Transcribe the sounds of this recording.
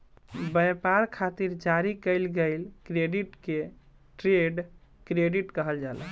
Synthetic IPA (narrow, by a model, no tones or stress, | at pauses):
bəjpaɾkʰat̪iɾd͡ʒaɾikəɪlɡəjlkɾeɖiʈke | ʈɾeɖkɾeɖiʈkəɦəld͡ʒalə